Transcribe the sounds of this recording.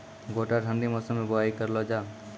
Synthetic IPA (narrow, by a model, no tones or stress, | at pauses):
ɡoʈaʈʰənɖimɔsəmebɔajkəɾlɔd͡ʒa